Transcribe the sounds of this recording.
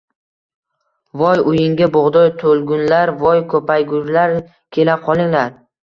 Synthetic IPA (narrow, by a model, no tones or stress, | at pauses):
vɒjʊjɪŋɡʲabʊʁd̪ɒjt̪ʰolˠɡʊnlaɾvɒjkʰɵpʰajɡʊzlaɾ | kʲʰe̞laqʰɒlˠɪŋlaɾ